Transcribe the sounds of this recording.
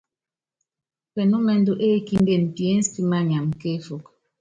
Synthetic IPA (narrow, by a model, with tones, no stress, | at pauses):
pɛ˨nu˦mɛ˨n̩˦do˦ʔe˦ki˦n˦de˦˨n̩˨ti˨e˦n̩˦spi˦ma˦ɲa˨mke˦fu˨k̚